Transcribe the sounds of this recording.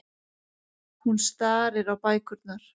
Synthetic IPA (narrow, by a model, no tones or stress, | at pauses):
hunst̪aːɾɪɾawpaːjkʏɾt̪naɾ̥